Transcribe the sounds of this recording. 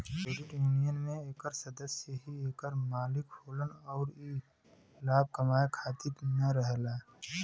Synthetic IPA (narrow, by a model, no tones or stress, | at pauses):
seːɾɪʈjuːnijənmẽeːkəɾsəd̪əsjəɦieːkəɾmaːlɪkhoːlənɔːɾi | laːb̚kəmaːjkʰaːt̪ɪt̪nəɾəɦlaː